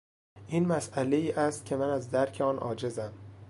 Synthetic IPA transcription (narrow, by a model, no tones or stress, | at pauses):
ʔiːnmæsʔæle̞iːʔæst̪̚cʲʰe̞mænæzd̪æɾcʰeɒːnʔɒ̰ːd͡ʒe̞zæm